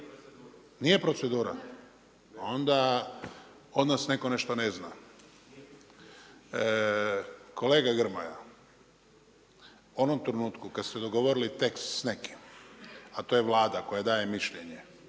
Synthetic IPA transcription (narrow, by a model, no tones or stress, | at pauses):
nije̞pɾosed̪uːɾa | o̞nd̪a | o̞d̪nasne̞ko̞ne̞ʃt̪o̞ne̞zna | kʰo̞le̞ːɡaɡɾ̩maja | uo̞nomt̪ɾenuːt̪kukad̪st̪ed̪o̞ɡo̞ʋo̞ɾilit̪e̞kst̪sneki̥m | at̪o̞ːje̞ʋlˠaːd̪ako̞jad̪aːje̞miʃʎeɲe